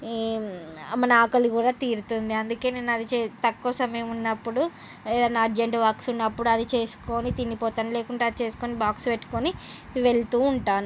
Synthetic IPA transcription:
mɐnɐaːkɐluɡuːɽaːt̪iːɾut̪und̪iɐnd̪uke̞ːneːnuɐd̪it͡ʃet̪ɐkːɔːsɐmeːmunːɐpːuɽu | eːd̪ɐnːɐːɾd͡ʒeɳʈʋaːksunːɐpːuɽuɐd̪it͡ʃe̞ːsu̥ko̞ːnit̪inːipɔːt̪ɐnle̞ːkuɳʈaːɐd̪it͡ʃe̞ːsu̥ko̞ːnibaːkspeʈːu̥koni | ʋe̞ɭt̪uːɳʈaːnu

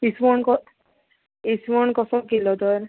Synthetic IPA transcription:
ismɔɳkɔ | ismɔɳkɔsɔkilɔd̪ɔɾ

